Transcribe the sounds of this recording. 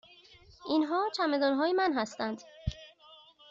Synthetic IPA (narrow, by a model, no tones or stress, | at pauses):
ʔinɦɒːt͡ʃʰæmed̪ɒːnɦɒːjemænɦæst̪ænd̪